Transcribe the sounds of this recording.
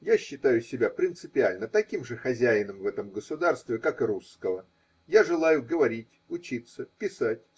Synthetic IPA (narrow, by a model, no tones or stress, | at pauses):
jaɕːɪt̪ajʊsʲɪbʲapɾʲɪnt̪sɨpʲɪalʲnət̪ɐkʲimʐɨxɐzʲæjɪnəmvɛt̪əmɡəsʊd̪arst̪vʲɪkakɨɾuskəvə | jaʐɨlˠajʊɡəvɐɾʲitʲʊt͡ɕit̪sːəpʲɪsatʲ